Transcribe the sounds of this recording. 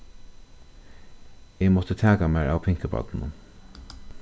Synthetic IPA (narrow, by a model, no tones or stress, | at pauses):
eːmɔt̪ət̪ʰæːkamæːɹa̰ːwpʰɪŋkəpɑ̰d̪n̩ʊ̰n